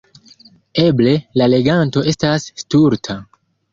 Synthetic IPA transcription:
e̞ble̞lale̞ɡanto̞ʔe̞stasːtuɾtʰa

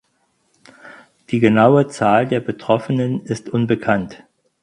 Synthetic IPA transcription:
d̥iːɡənaʊət͡saːldeːɐbətʁ̥ɔfənənɪstʔʊnbəkʰant

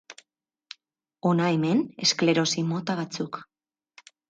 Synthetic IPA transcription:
o̞naeme̞ne̞skle̞ɾo̞simo̞t̪aβ̞at͡suk

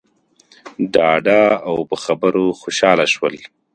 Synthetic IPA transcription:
ɖɑːɖaawpəxabəɾoxoʃɑːlaʃwəl

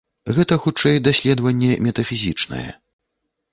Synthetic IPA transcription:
ɣɛt̪ɐxut͡ʂɛjd̪asʲlʲɛd̪vɐnʲːɛmʲɛt̪ɐfʲizʲit͡ʂnɐ̰jɛ̰

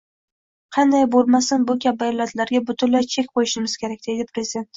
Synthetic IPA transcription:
qʰɑnd̪ajbolˠmasɪnbʊkʲab̚ajɒlːat̪laɾɡʲabʊt̪ʰʊnlajt͡ʃʰe̞kʲqʰojɪʃɪmɪz̥kʲʰe̞ɾakʲd̪e̞d̪ɪpʰɾezɪd̪e̞nt̪

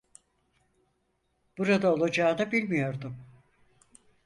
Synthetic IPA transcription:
b̥uɾad̪ao̞lˠad͡ʒaːnɯbilʲmijo̞ɾd̪um

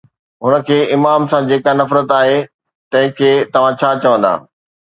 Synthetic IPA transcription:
ɦʊnə̆kʰeːɪmaːmsãd͡ʑeːkanɐfɾət̪aːɦe | t̪ɐ̃ɦɪ̃kʰeːt̪ɐʋ̤ãt͡ɕʰaːt͡ɕɐʋə̃nd̪a̰ː

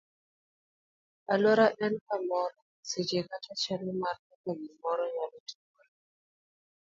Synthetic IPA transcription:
alwɔɾaʔɛnkamɔɾɔ | sed͡ʒekatat͡ʃɛlɛmarkakaɡimɔɾɔjalɔtʰu̥ka

